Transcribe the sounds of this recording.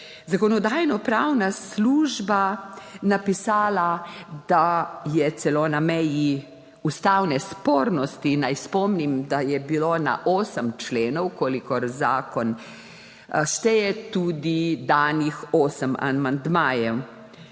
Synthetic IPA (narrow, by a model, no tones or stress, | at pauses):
zakɔnɔd̪aːjnɔpɾawnasluːʒbanapisaːlad̪̥ajɛt̪sɛlonamɛji | ust̪awnɛspoːɾnɔst̪inajspɔmnimd̪ajɛbilona̰ʔoːsəmt͡ʃleːnɔwkoːlikɔɾzaːkɔn | ʃt̪ɛjɛt̪uːd̪id̪anixoːsəma̰mand̪maːjɛw